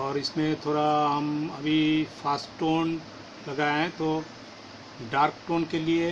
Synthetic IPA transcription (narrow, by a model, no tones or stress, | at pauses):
ɔːɾɪsmẽt̪ʰoːɽaɦɐmɐbʱifaːsʈʈoːn | lɐɡaːeɦɛ̃t̪o | ɖaːɾkʈoːnkelie